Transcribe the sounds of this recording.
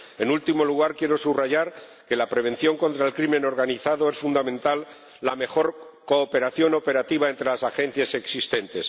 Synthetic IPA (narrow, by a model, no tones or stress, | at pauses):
e̞nult̪imo̞luɣ̞aɾkje̞ɾo̞suβraʝaɾ | ke̞lapɾe̞β̞e̞n̟θjo̞ŋko̞nt̪ɾaelkɾimẽ̞no̞ɾɣaniθaðo̞e̞sfund̪amẽ̞nt̪alː | ame̞xo̞ɾko̞ːpeɾaθjo̞no̞pe̞ɾat̪iβ̞ae̞nt̪ɾe̞lasaxe̞n̟θjase̞ksist̪e̞nt̪es